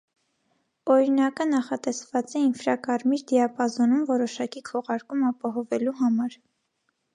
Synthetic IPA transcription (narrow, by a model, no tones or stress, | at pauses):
ɔɾinɑkənɑχɑt̪ɛsvɑt͡sɛinfɾɑkɑɾmiɾd̪iɑpɑzɔnumvɔɾɔʃɑkikʰɔʁɑɾkumɑpɑɦɔvɛluɦɑmɑɾ